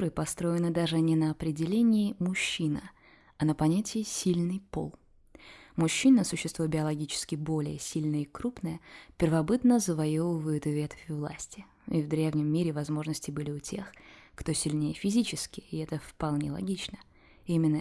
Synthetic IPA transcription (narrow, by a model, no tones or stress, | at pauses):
ɾɨpɐst̪ɾo̞ɪnɨd̪aʐɨnʲɪnəɐpɾʲɪdʲɪlʲenʲɪːmʊɕːinə | ɐnəpɐnʲætʲɪːsʲilʲnɨjpo̞̰lˠ | mʊɕːinəsʊɕːɪst̪vubʲɪɐlˠɐɡʲit͡ɕɪ̥skʲɪbo̞lʲɪjəsʲilʲnəikɾupnəjəpʲɪrvɐbɨt̪nəzəvɐjovəvəjʊt̪vʲet̪ə̥fʲɪvlˠa̰sʲtʲɪ | ivd̪ɾʲevnʲɪmːiɾʲɪvɐzmo̞ʐnəsʲtʲɪbɨlʲɪʊtʲʰe̞xkt̪o̞sʲɪlʲnʲejəfʲɪzʲit͡ɕɪskʲɪɪɛt̪əfpɐlˠnʲḛlˠɐ̰ɡʲit͡ɕnə | imʲɪnːə